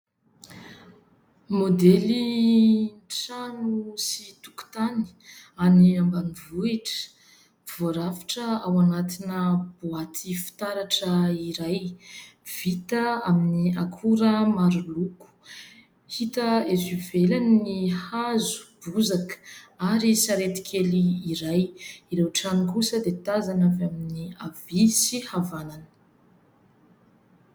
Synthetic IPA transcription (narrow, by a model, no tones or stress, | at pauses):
mod̪eli | nʈ͡ʂanusit̪u̥ku̥t̪ani̥aniambanivuiʈ͡ʂə̥ | v̥oaɾafḁʈ͡ʂəawanat̪inəb̥uat̪ʰifi̥t̪aɾaʈ͡ʂəiɾaj | v̥it̪əaminiakʰuɾəmaɾuluku̥ | hit̪əezivelannihazu̥b̥uzakə̥aɾisaɾet̪i̥kʰeliːɾajiɾewʈ͡ʂanikusəd̪et̪azanavaminiavisihavananə̥